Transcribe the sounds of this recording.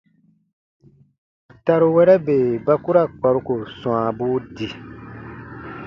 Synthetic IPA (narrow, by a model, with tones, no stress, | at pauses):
ta˧ɾu˦wɛ˦ɾɛ˦beː˨ba˦ku˦ɾa˦˨k͡pa˨ɾu˦ko˨sũ˨a˨bu˦di˨